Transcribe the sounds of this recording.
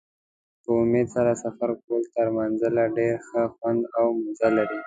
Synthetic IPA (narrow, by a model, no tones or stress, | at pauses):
pəʊmed̪saɾasafaɾkolt̪aɾmanzəlaɖeɾxəxwand̪awmʊnzalaɾi